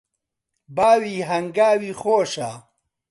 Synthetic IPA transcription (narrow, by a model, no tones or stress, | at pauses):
baːwiːɦɐŋɡaːwiːxoːʂaː